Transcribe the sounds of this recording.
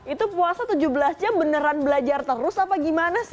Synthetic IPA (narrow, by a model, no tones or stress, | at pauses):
it̪upuasat̪ud͡ʒubəlasd͡ʒambənəɾanbəlad͡ʒart̪əɾʊsapaɡimanas